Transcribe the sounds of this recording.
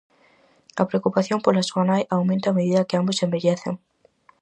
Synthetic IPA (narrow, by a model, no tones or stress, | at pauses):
ɐ̰pɾeokupaθjompolasuɐnajʔawmẽnt̪aːmeðiðɐkɪambʊsembeʎeθḛŋ